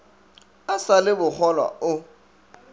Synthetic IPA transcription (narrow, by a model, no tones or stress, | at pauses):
asalɪbʊk͡xʰɔlwa̰ʊ